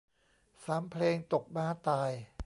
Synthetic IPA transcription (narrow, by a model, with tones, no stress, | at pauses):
saː˩˦mpʰleː˧ŋt̪o˨˩k̚baː˧˥t̪aː˨˩j